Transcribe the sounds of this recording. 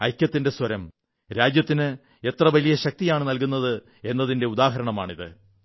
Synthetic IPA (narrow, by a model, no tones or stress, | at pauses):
ɐjkʲjɐt̪ːinde̞swɐɾɐm | ɾaːd͡ʑjɐt̪ːinɨ | e̞t̪rɐʋɐlijɐɕɐk̚t̪ijaːɳɨnɐlk̬unːɐðɨ | e̞nːɐðinde̞ud̪aːɦɐɾɐɳɐmaːɳiðɨ